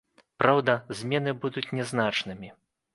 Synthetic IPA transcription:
pɾawd̪ɐzʲmʲɛnɨbud̪ut͡sʲnʲɛznat͡ʂnɨmʲi

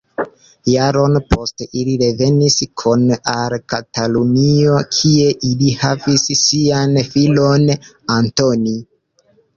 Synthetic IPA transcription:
jaɾo̞npo̞steʔiliɾe̞ve̞niskʰunalkatalunio̞kʰie̞ʔilihavisːianfilon | antoni

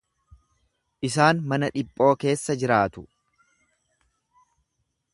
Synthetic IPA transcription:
ʔɪs̬aːnmɐnɐᶑɪpʼːo̞ːke̞ːsːɐd͡ʒɪɾaːt̪ʊ

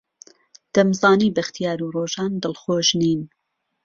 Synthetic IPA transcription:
d̪̥ɐmzɑːniːbɐxt̪ijaːɾuːroːʒɑːnd̪ɨlˠxoːʒniːn

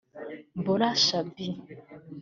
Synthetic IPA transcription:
bolaʃabi

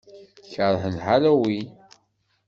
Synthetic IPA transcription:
çəɾˤhənħalæwi

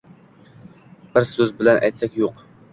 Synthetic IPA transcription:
b̥ɪɾsɵzbɪlɛnʔɛ̰jt̪sɛkʲjoq

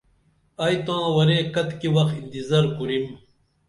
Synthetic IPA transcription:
ɐjt̪ãːwɐɾeːkɐt̪kiwɐxind̪izɐɾkuɾim

